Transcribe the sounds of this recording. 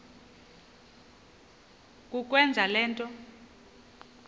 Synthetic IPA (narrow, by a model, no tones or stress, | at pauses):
kʼuk̬ʼwɛnd͡zʱalɛːntʼɔ